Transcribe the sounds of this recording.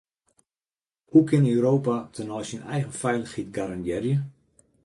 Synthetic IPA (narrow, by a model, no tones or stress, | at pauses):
hukɪnøwɾoːpatʰənɔjsinɛjɣənfɛjləxitɡaɾanjɪrjə